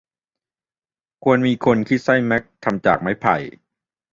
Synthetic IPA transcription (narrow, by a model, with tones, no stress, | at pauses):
kʰu˧ənmiː˧kʰo˧nkʰi˦˥˩sa˥˩jmɛ˦˥k̚t̪ʰa˧mt͡ɕa̰ː˨˩k̚ma˦˥˩jpʰa̰˨˩j